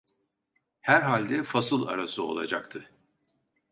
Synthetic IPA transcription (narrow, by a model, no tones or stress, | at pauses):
hæɾɦalʲd̪ɛfasɯlˠa̰ɾasɯo̞lˠa̰d͡ʒak̚t̪ʰɯ